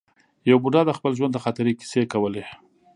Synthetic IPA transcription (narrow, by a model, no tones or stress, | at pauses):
jawbuɖɑd̪əxpəlʒwand̪əxɑt̪aɾiki̥sekawəle